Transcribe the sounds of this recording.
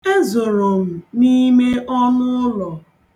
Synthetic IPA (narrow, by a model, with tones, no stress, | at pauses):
e˦zo˨ɾo˨m̩˨ni˦me˦ʔɔ˦nʊ˦lɔ˨